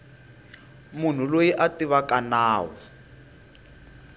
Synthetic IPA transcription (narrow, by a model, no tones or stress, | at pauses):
mun̤ulojiʔatiβakanaːwɔ